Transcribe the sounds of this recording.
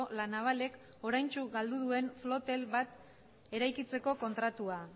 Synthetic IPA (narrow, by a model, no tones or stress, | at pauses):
olanaβ̞ale̞k | o̞ɾajnt͡ʃuɡald̪uð̞ue̞nflo̞t̪e̞lβat̪ | e̞ɾajkit͡se̞ko̞ko̞nt̪ɾat̪ua